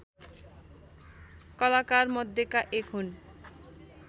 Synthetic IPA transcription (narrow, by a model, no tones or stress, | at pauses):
kɔlakaɾmɔd̪ːekaʔekʰun